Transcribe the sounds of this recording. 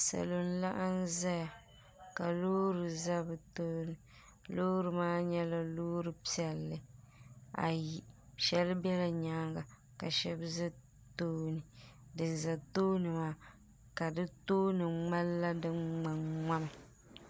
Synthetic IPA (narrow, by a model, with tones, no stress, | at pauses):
sa̰˨lo˨n̩˦la˦ʔa˦n˦za˦ja˨ | ka˨loː˦ɾɨ˨za˦bɨ˨toː˦nɨ˨ | loː˦ɾɨ˨maː˦ɲɛ˦la˦loː˦ɾɨ˨pi˦ɛ˨lːɨ˨ | a̰˨ji˨ʃɛ˦lɨ˦bɛ˦la˨ɲaː˦ŋɡa˨ | ka˨ʃɛ˦bza˦ | toː˦nɨ˨dɨ˨n˨za˨toː˦nɨ˨maː˦ | ka˨dɨ˦toː˦nɨ˨ŋ͡ma˦lːa˦dɨ˦ŋŋ͡ma˨ŋŋ͡ma˦ma˨